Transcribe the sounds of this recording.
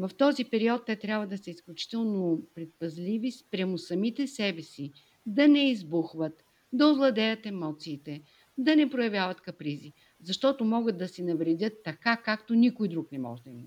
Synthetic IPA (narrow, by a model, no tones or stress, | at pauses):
vɐft̪ɔzipɛɾiɔt̪ːɛt̪ɾʲjabvɐd̪ɐsɐisklʲut͡ʃi̥t̪ɛlˠnopɾɛt̪̚pɐzlʲivispɾʲjamosɐmit̪ɛsɛbɛsi | d̪ɐnɛizbuxvət̪ | d̪ɐovlˠɐd̪ɛjɐt̪ɛmɔt̪siːt̪ɛ | d̪ɐnɛpɾojɐvʲjavɐt̪kɐpɾizi | zɐʃt̪ɔt̪omɔɡəd̪̚d̪ɐsɛnɐvɾɛdʲɤt̪ːɐkakakt̪onikʊjd̪ɾuknɛmɔ̰ʒd̪ɐm